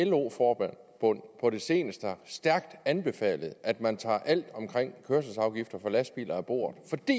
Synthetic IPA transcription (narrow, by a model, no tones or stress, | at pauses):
elo̝̰ːfɒːb̥æn | b̥ɔn̰pʰɒ̽ɾe̝se̝ːnəsd̥əæsd̥æɐɡ̥d̥ænb̥e̝fɛ̰ːləð̩ˠæd̥mænt͡sʰɑ̰̈ːʔæl̰d̥ɒ̽mkʰʁeŋ̰kʰøɐs̬əsɑ̈ʊɡ̥ifd̥ɐfɒ̽læsd̥b̥ḭːlʔɐæb̥o̝̰ːɐðˠfɒ̽d̥ḭ